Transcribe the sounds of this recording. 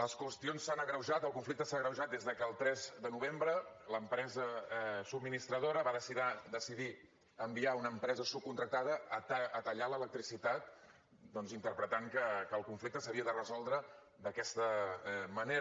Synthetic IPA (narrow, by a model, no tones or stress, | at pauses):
ləskwəst̪ionsːanəɣɾəwʒat̪əlˠkuɱflik̚t̪əsaɣɾəwʒat̪̚d̪ezðəkəːlˠt̪ɾɛzd̪ənuβembɾə | ləmpɾɛzəɛsubminist̪ɾəðoɾəβaðəsiðad̪əsiði | əmbiaunəːmpɾɛzəsup̚kunt̪ɾək̚t̪aðəːt̪ːt̪əʎalələk̚t̪ɾisit̪at̪̚ | d̪ɔnzint̪əɾpɾət̪aŋkəkəːlˠkuɱflik̚t̪əsəβiəðərəzɔlˠd̪ɾə | d̪əkɛst̪əməneɾ